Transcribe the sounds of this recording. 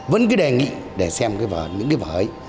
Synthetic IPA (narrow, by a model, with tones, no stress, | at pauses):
və˧˦nk̬ɨ˨˦ɗe˨˩ŋḭ˧˨ | ɗe˧˩sɛ˧mkaː˨˦jvəː˨˩ɲɨ̰˧˥ŋkaː˨˦vəː˨˩j